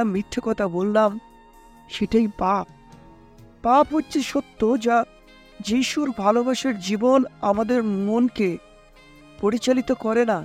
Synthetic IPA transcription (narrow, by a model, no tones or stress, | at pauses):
amɾit̪ʰːokɔt̪ʰabolːam | ʃeʈajpap̚ː | apɦotːɕʰeʃot̪ːod͡ʑa | d͡ʑiʃuɾbʱalobaʃeɾd͡ʑibonamad̪eɾmonke | poɾit͡ɕalit̪okɔɾena